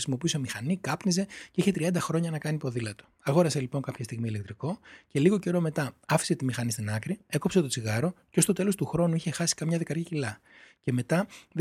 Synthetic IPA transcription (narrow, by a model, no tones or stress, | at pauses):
simo̞piuse̞mixɐnikɐpnize̞ceiçe̞t̪ɾiɐnd̪ɐxɾo̞ɲɐnɐkɐnipo̞ðilɐt̪o̥ɐɣo̞ɾɐse̞lipo̞ŋkɐpçɐst̪iɣmiːlekt̪ɾiko̞ce̞liɣo̞ce̞ɾo̞met̪ɐɐfi̥se̞t̪imixɐnist̪inɐkɾie̞ko̞pse̞t̪o̞t͡siɣɐɾo̞ceo̞st̪o̞t̪e̞lo̞st̪uxɾo̞nuiçe̞xɐsi̥kɐmɲɐðikɐɾcicilɐ | ce̞me̞t̪ɐ